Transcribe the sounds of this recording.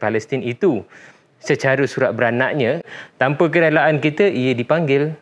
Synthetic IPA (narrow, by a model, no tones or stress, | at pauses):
palɛst̪init̪u | sət͡ʃaɾəsuɾat̪̚bəɾanaʔɲãt̪ampək̬əɾalaʔankit̪əʔijədipaŋɡɪl